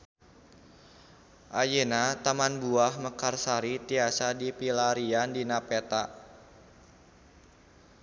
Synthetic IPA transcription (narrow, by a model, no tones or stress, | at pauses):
ʔajənat̪amanbuahməkarsaɾit̪iasadipilaɾiandinapet̪a